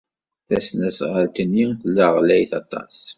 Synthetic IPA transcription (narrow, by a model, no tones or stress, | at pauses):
θæsnæsʁəlt̪ənːiθəlːæʁlæjθɑt̪ˤɑ̰s